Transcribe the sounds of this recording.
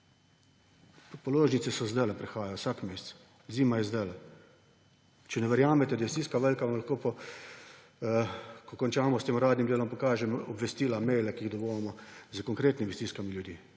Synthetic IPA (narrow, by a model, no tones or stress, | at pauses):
pɔloːʒnit̪sɛsɔzd̪ɛlɛpɾɛxaːjajowsakmeːst͡s̪ | ziːmajɛzd̪ɛl | t͡ʃɛnɛʋɛɾjaːmɛt̪ɛd̪ajɛst̪iskaʋəlkaʋamlaxkoːpɔ | kɔkɔnt͡ʃaːmɔst̪eːmɾaːd̪nimd̪eːlɔmpɔkaːʒɛmɔbʋɛst̪iːlamɛːjlɛkiiɣd̪ɔbojɛmɔzəkɔŋkɾeːt̪nimist̪iːskamiljud̪iː